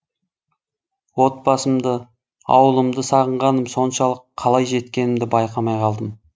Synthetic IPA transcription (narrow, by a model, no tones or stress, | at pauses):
wo̞t̪̚bɑsəmd̪ə | ɑ̰wəlˠəmd̪əsɑʁəɴʁɑnəmso̞nʃɑlˠəqʰːɑlˠɑjʒe̞t̪kʲe̞nɪmd̪ɪbɑjqɑmɑjqʰɑlˠd̪əm